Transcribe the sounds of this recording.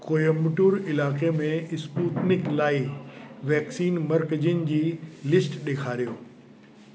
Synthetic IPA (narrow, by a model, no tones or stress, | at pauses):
koːjomʊʈuːɾɪlaːkemẽɪspuːt̪nɪklaːɪʋɛːksiːnmɐɾkəd͡ʑənɪ̆d͡ʑiːlɪsʈɗeːkʰaːɾijoː